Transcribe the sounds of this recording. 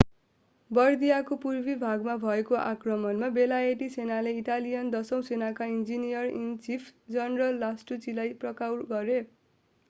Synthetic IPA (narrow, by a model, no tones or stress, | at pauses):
bʌrd̪ijakopurbibʱaɡmabʱʌekoʔa̰krʌmʌnmabelaeʈisenaleiʈalijʌnd̪ʌsʌ̃w̃senakaind͡zinijʌrint͡sipʰd͡zʌnrʌlːasʈut͡silajprʌkawɡʌɾe